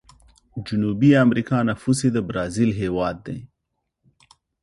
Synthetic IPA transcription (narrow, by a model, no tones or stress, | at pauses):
d͡ʒʊnubiamɾikɑnafused̪əbɾɑzilɦewɑd̪ːḛ